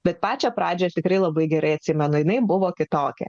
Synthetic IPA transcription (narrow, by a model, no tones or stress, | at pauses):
b̥ʲɛt̪pɑːt͡ʃʲopɾɑːd͡ʒʲojɛt̪ʲɪkɾɐɪlˠɐbɐɪɡʲɛɾɐɪɐt̪ʲsʲɪmʲɛnʊjɪnɐɪbʊʋoːkʲɪt̪oːkʲɛ̰